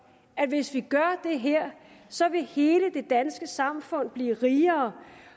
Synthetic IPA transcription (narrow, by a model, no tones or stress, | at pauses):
æ̥ʋe̝sʋiɡ̥ɶɐd̥e̝ɦeɐ̰sɒ̽ʋe̝he̝ːləd̥e̝d̥ænsɡ̥əsɑ̈mfɔ̽n̰b̥liːʁiːɐː